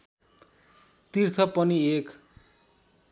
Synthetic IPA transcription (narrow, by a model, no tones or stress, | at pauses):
t̪irt͡s̪ʰʌpʌniek